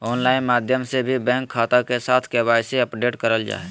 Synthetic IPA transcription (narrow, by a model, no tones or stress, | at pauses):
ɔːnlaːɪnmaːd̪ʱjəmsebʱibɛ̃ːŋkʰːaːt̪akesaːt̪ʰkɛbaːjseəpɖeːʈkəɾəld͡ʒa̰ːe